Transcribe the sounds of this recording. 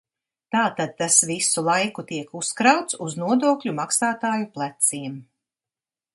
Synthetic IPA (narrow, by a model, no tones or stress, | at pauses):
t̪aːt̪ad̪̚t̪asvisulˠajkut̪iɛkuskɾawt̪suznuɔd̪uɔklʲumaksaːt̪aːjuplˠat̪siːm